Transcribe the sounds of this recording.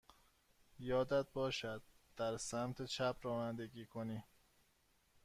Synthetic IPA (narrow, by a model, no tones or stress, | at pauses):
jɒːd̪æd̪̚bɒːʃæd̪̚ | d̪̥æɾsæmt̪ʰet͡ʃʰæpʰɾɒːnænd̪eɡiːkʰoniː